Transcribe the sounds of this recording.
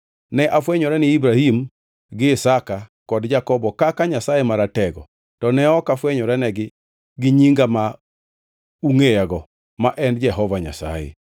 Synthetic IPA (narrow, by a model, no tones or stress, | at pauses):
nɛʔafwɛɲɔɾɛnɪibɾahim | ɡɪːsakakɔdd͡ʒakɔbɔkakaɲasajemaɾatɛɡɔ̰ | tɔnɛɔkafwɛɲɔɾɛnɛɡɪ | ɡɪɲiŋɡama | uŋejaɡɔ | maʔɛnd͡ʒɛɦɔvaɲa̰sa̰jɛ̰